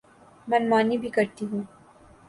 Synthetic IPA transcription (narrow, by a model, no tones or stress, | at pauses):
mɐnmaːnibʱikɐɾt̪iɦũː